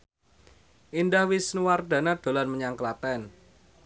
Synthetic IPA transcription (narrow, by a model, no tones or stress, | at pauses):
ʔindahwisnuward̪̥a̤nad̪̥o̤lanməɲaŋklat̪ɛn